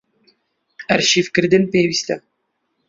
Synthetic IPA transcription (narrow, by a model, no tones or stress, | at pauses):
æɾʃiːfkɨɾd̪ɨnpeːwiːst̪ɛ